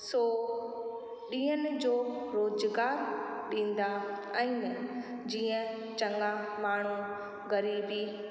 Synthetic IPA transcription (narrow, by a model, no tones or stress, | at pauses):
soː | ɗĩːɦənɪ̆d͡ʑoːɾoːzɡaːɾɗĩːn̆d̪a | ɛ̃imɪ | d͡ʑiːə̃ | t͡ɕɐŋamaːɳ̤u | ɣɐɾiːbi